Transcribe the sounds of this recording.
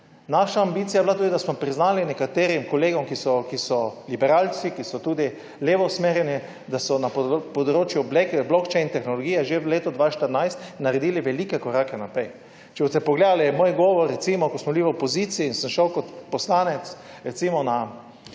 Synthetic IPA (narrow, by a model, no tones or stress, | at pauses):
naʃaːmbiːt̪sijajblat̪uːd̪id̪asmɔpɾiznaːlinɛkat̪eːɾimkɔleːɡɔmkisɔkisɔlibɛɾalsikisɔt̪uːd̪i | leːʋɔsmeːɾjɛni | d̪asɔnappɔd̪ɾoːt͡ʃjublekblɔkt͡ʃɛjnt̪ɛxnɔlɔɡijɛʒeʋleːt̪ɔd̪ʋaʃt̪əɾnajst̪nːaɾed̪iːliʋɛliːkɛkɔɾakɛnapɾɛj | t͡ʃɛbɔst̪ɛpɔɡled̪alimoːjɡɔːʋɔɾːɛt̪simɔkosmɔbliʋəpɔzit̪siːnsəmʃəwkɔt̪pɔslaːnɛt̪s | ɾɛt̪simɔna